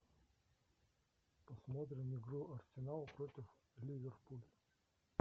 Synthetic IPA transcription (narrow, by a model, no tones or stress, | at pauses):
pɐsmot̪ɾʲɪmɪɡɾuʔɐrsʲɪnalˠpɾotʲɪf | lʲivʲerpulʲ